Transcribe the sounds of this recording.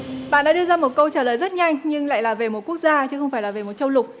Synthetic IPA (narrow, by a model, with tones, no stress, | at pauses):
ɓa̰ː˧˨nɗa̰ː˧˥ɗɨ˧əzaː˧mo˨˩t̚kə˧wt͡ɕaː˧˩ləː˨˩jzə˦˥t̚ɲa˧jŋ̟ɲɨ˧ŋla̰ː˧˨jlaː˨˩ve˨˩mo˨˩t̚ku˦˥ək̚zaː˧t͡ɕɨ˨˦xə˧wŋ͡mfaː˧˩jlaː˨˩ve˨˩mo˨˩t̚t͡ɕə˧wlʊ˨˩k͡p̚